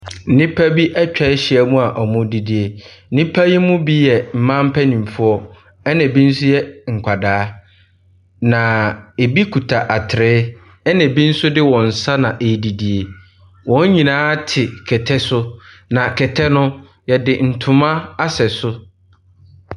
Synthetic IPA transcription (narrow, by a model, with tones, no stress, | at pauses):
n̩˦nĩ˦pʰa˦bi˦ʔɛ˦t͡ɕᶣɛ˨ɪ˦ɕɪ˨ɛ˦mũ˦a˨ʔɔ˨mʊ̃˦di˨di˨e˨˦nĩ˦pʰa˦ji˦mũ˦bi˦jɛ˨m̩˨mã˦m̩˦pʰæ˦nĩ˨m˨fʊ˦ɔ˦ | ɛ˦nɛ̃˨bi˦n̩˦sʊ˦jɛ˦ŋ̩˨kʷʰa˨daː˨˦ | nã˨e˨bi˦kʰu˨tʰa˨ʔa˨tʰɪ˨ɾɪː˦ | ɛ˦nɛ̃˨bi˦n̩˦sʊ˦dɪ˦wɔ̃˨n̩˨sa˦nã˨ʔe˨di˨di˨e˨ | wɔ̃˨˦ɲ˦ɲĩ˨nãː˦tʰɪ˨kʰɛ˨tʰɛ˦sʊ˦ | nã˨kʰɛ˨tʰɛ˦nʊ̃˦ | jɛ˨dɪ˨n̩˨tʰʊ̃˨mã˦a˦sɛ˨sʊ˦